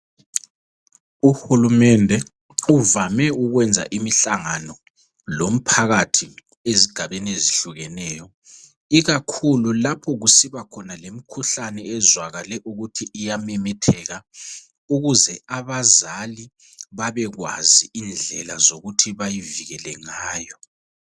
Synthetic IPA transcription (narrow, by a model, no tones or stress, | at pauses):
uxulumɛndʱɛ | uvamɛuɣwɛnd͡zʱa̰ʔimiɬaŋanɔ | lom̩pʰaɣatʰi | eziɡ̥ʱaβenieziɬuɣɛnɛːjɔ | iɣakʰululapʰɔɣusiβakʰɔnalemikʰuɬanɛɛzwaɣalɛʔuɣutʰiʔijamɛmɛtʰɛɣa | uɣuzɛaβazali | βaβɛɣwa̰ziind͡ɮʱɛlazoɣutʰiβajiviɣɛlɛ̰ŋaːjɔ